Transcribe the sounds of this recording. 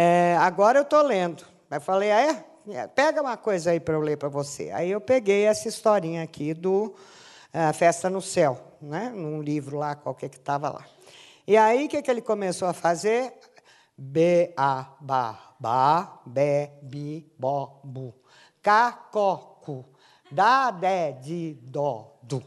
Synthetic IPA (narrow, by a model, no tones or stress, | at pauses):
ɛaɡɔɾɐewt̪olẽnd̪ʊ | ewfalejaɛ | ɛ̰pɛɡɐũmɐkojzɐaipɾɐewleɾpɾɐvosḛa̰iewpeɡejɛsɐist̪ɔɾĩɲɐakʰid̪ʊ | fɛst̪ɐnʊsɛwnɛnũlivɾʊlakawkɛkɪ̥t̪avɐ̰la̰ | iaikekɪelɪkomesoɐfazeɾ | beabaɐbabebibɔbu | kakɔkʊ | d̪ad̪ɛd͡ʒɪd̪ɔd̪ʊ